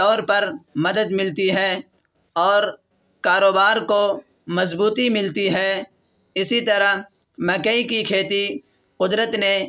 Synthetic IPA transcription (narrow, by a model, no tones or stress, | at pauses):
ɔːɾpɐɾmɐd̪əd̪mɪlt̪iɦɛː | ɔːɾ | kaːɾoːbaːɾko | mɐzbuːt̪imɪlt̪iɦɛː | ɪsit̪ɐɾaɦ | mɐkəikikʰeːt̪i | qʊd̪ɾət̪ne